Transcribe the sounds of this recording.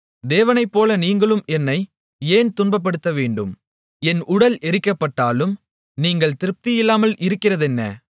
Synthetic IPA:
d̪eːʋɐnɐɪpːoːlɐniːŋɡɐɭɯmɛnːɐɪ | eːnt̪ʊnbɐp̬ːɐɽɯt̪ːɐʋeːɳɖɯm | ɛnʊɽɐlʔɛɾɪkːɐpːɐʈːaːlɯm | niːŋɡɐɭt̪ɪɾɯp̚t̪ɪjɪlːaːmɐlʔɪɾɯkːɪrɐðɛnːɐ̰

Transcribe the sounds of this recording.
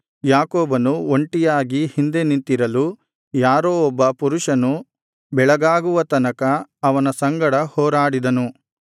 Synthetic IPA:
jaːkɔːbɐnuoɳʈijaːɡihind̪e̞nint̪iɾɐlu | jaːɾoːɔbːɐpuɾuʂɐnu | bɛɭɐɡaːɡuʋɐt̪ɐnɐkɐːʋɐnɐsɐŋɡɐɽɐhɔːɾaːɽid̪ɐnu

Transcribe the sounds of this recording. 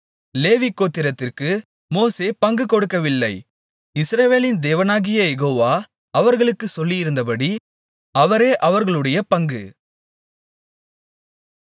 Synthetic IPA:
leːʋikːoːt̪ːɪɾɐt̪ːɪrkɯ | moːseːpɐŋɡɯkɔɽɯkːɐʋɪlːɐɪ | ɪsɾɐʋeːlɪnd̪eːʋɐnaːɣɪjɐjɛɣoːʋaː | ɐʋɐɾɣɐɭɯkːɯsɔlːijɪɾɯnd̪ɐpɐɽi | ɐʋɐɾeːʔɐʋɐɾɣɐɭɯɽɐjɐpɐŋɡɯ

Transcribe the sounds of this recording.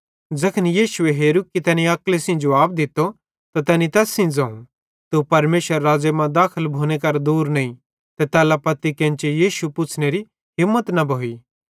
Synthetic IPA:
d͡zɐkʰənijiːʃueɦeːɾukːit̪ɛːnĩɐklesɪ̃ːd͡ʒʊaːb̚d̪ɪt̪ːo | t̪at̪ɛːnĩt̪ɛːsːɪ̃d͡zɐ̃ũ | t̪upɐɾmeːʃəɾːaːd͡zemãd̪aːkʰəlbʱoːñekɐɾd̪uːɾnɐĩ | t̪ɛt̪ɛːlapɐt̪ikẽnt͡ʃejiːʃupʊt͡ʃʰneɾi | ɦɪmːət̪nɐbʱoːi

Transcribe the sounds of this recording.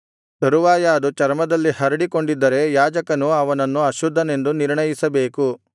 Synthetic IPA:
t̪ɐɾuʋaːjaːd̪ut͡ʃɐɾmɐd̪ɐlːihɐɾɐɽiko̞ɳɖid̪ːɐɾe̞jaːd͡ʒɐkɐnuɐʋɐnɐnːuɐʃud̪ʱːɐne̞nd̪uniɾɳɐjisɐbe̞ːku

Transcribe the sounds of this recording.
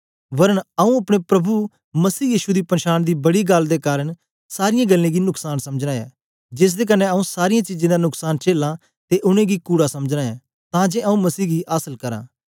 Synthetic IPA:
ʋɐɾənəũɐpɽ̃epɾɐbu | mɐsiːjiːʃud̪iːpənʃaːnd̪iːbɐɽiɡəld̪eːkaːɾəɳ | saːɾɪjãːɡəlːẽːɡinʊksaːnsɐməd͡ʒãːɛ̰ː | d͡ʒɪs̬d̪eːk̬ənːẽəũːsaːɾɪjãːt͡ʃiːd͡ʒẽːd̪anʊksaːnt͡ʃeːlã | t̪eʔʊñẽːɡikuːɽasɐməd͡ʒnãːẽː | t̪ãːd͡ʒeːɐũmɐsiːɡiʔaːsəlkɐɾã̰ː

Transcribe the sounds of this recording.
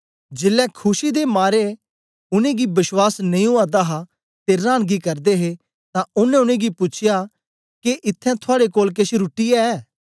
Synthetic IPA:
d͡ʒɪlːɛkʰʊʃid̪emaːɾe | ʊnẽɡibɪswaːsnɐ̃ĩuaːd̪aɦa | t̪eɾãːɽ̃ɡikɐɾd̪eɦe | t̪ãʊnɛ̃ʊñẽɡipʊt͡ʃʰɪja | keʔɪt̪ʰːɛ̃t̪ʰʊaːɽekoːlk̬eʃɾʊʈijaɛː

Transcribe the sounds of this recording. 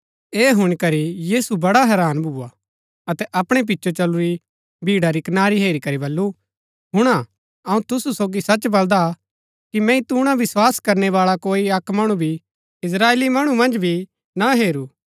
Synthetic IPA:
eːɦʊɽ̃ikɐɾijiːsubɐɽaɦɛːɾaːnbʱuːa | ɐt̪ɛʔɐpɽ̃ɛp̬ɪtːʃʰot͡ʃɐluɾi | bʱiːɽaɾikɐnaːɾiɦeːɾikɐɾibɐlːu | ɦʊɽ̃a | ɐũt̪ʊsusoːɡisɐt͡ʃbɐld̪a | kimɛ̃ĩt̪uːɽ̃ãʋɪswaːskɐɾnɛʋaːɭakoːiɐkmɐɽ̃ubʱi | ɪs̬ɾaːeːlimɐɽ̃umɐ̃nd͡ʒbʱi | naɦeːɾuː

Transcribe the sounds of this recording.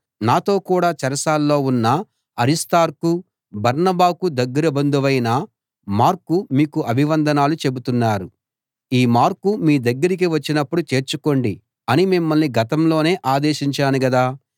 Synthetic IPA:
naːt̪o̞ːkuːɽaːt͡ʃɐɾɐsaːlːo̞ːunːɐ | ɐɾist̪aːɾku | bɐɾnɐbaːkud̪ɐɡːɐɾɐbɐnd̪uʋɐjnɐ | maːɾkːumiːkuʔɐbʱiʋɐnd̪ʱɐnaːlut͡ʃe̞but̪unːaːɾu | iːmaːɾkːumiːd̪ɐɡːɐɾik̬iʋɐt͡ʃːinɐpːuɽut͡ʃe̞ːɾt͡ʃuko̞ɳɖi | ɐnimimːɐlniɡɐt̪ɐmlo̞ːne̞ːʔaːd̪e̞ːʃiɲt͡ʃaːnuɡɐd̪aː

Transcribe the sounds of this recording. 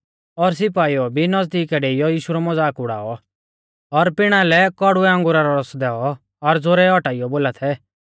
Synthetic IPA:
ɔɾs̬ɪpaːiɔbʱinɔd͡zd̪iːkɛɖeːijɔjiːʃuɾɔmɔd͡zaːkʊɽa̰ːɔ | ɔɾpɪɽ̃alɛkɔɽʊɛɐ̃ŋɡʊɾaɾɔɾɔsd̪ɛːɔ | ɔɾd͡zoɾɛɔʈaːɪjɔboːlat̪ʰɛ

